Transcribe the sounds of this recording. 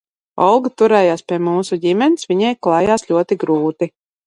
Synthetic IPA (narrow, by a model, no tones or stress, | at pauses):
ɔ̰lˠɡɨt̪uɾɛːjaːspʲiɛmuːsuɟimʲɛnsvʲiɲɛjklˠajaːslʲuɔt̪iɡɾuːt̪i